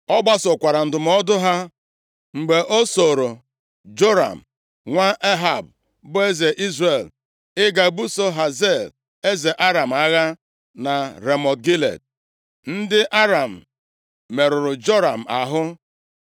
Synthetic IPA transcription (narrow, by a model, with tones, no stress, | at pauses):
ɔ˦ɡ͡ba˦sʊ˨kʷa˨ɾa˨n̩˨dʊ˨m˦ɔ˦dʊ˦ɦa˦ | ŋ͡m̩˨ɡ͡be˨ʔo˦so˨ɾo˨ | d͡ʒo˦ɾa̰˨m̩˨ | ŋʷa˦ʔe˦ɦa˨b | bʊ˦e˦ze˨ʔi˦zɾe˨l | ɪ˦ɡa˨bu˦so˦ɦa˨ze˦˨l | e˦ze˨ʔa˦ɾa˨m̩˨a˦ɣa˦ | na˨ɾe˨mɔ˨t̚ɡi˦lḛ˨d̚ | n̩˦dɪ˦ʔa˦ɾa˨m̩˨ | me˨ɾʊ˨ɾʊ˨d͡ʒo˦ɾa˨m̩˨a˨ɦʊ˦